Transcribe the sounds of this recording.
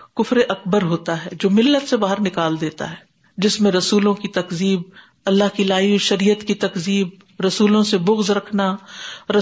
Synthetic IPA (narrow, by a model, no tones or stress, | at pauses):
kʊfɾeʔɐkbəɾɦoːt̪aɦɛːd͡ʒoːmɪlːət̪sebaːɦəɾnɪkaːld̪eːt̪a̰ɦɛː | d͡ʒɪsmẽɾɐsuːlõkit̪ɐkziːb̚ | ɐlːaɦkilaːiʃɐɾijət̪kit̪ɐkziːb | ɾɐsuːlõsebʊɣzɾɐkʰnaɾɐ